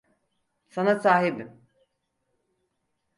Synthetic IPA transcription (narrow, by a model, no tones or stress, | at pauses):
sanasaːɦibim